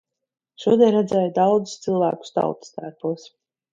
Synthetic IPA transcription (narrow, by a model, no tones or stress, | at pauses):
ʃuɔd̪ʲiɛnɾad̪zɛjd̪awd̪zu̥st̪silˠvæ̰ːku̥st̪a̰wt̪st̪æːɾpuɔs